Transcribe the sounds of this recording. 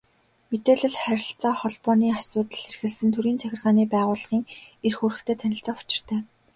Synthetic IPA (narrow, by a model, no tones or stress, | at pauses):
met̪eːɮɘ̆ɮχæɾʲɪ̆ɬt͡saːχɔɮpɔːniːasʊːt̪ə̆ɮerxɘ̆ɮsɘ̆nt̪ʰɵɾiːnt͡sʰæxʲɪ̆rʁaːniːpæːʁʊːɮə̆χiːŋerxuɾɘ̆xt̪ʰeːt̪ʰænʲɪ̆ɬt͡saːʊ̥t͡ɕɪ̆r̥t̪ʰæː